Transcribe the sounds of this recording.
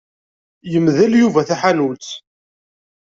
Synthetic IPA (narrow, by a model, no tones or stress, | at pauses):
jəmðəljuvæθæħanult͡s̪